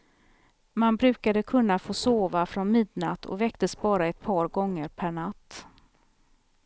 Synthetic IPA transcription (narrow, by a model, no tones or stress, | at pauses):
manbɾʉ̟ːkad̪əkʰɵnːafoːsoːvafɾɔnmɪd̪nat̪ʰɔ̰vɛkt̪əsbɑːɾaɛt̪̚pʰɑːɾɡɔŋːəɾpʰæɳat̪ː